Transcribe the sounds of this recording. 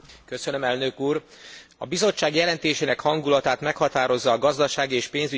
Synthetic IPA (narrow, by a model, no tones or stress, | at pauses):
køsønø̞mɛlnøkuːr | ɒbizo̞t͡ʃːaːɡjɛlɛnt̪eːʃeːnɛkhɒŋɡulɒt̪aːt̪mɛkhɒt̪aːɾo̞zːɒːɡɒzd̪ɒʃaːɡieːʃpeːnzy